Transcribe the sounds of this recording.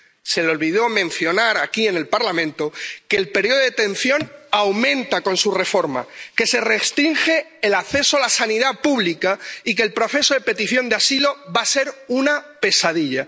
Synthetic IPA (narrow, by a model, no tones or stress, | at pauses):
se̞lo̞lβiðo̞mẽ̞nθjo̞naɾakie̞ne̞lpaɾlamẽ̞nt̪okeːlpe̞ɾjo̞ðet̪ẽ̞n̟θjo̞nawmẽ̞nt̪ako̞nsure̞fo̞ɾma̰ke̞se̞re̞st̪ɾiŋxe̞ːlakθe̞soalasaniðapuβlikaik̬e̞ːlpɾo̞θe̞soðe̞pe̞t̪iθjo̞nd̪easilo̞βase̞ɾunape̞saðiʎa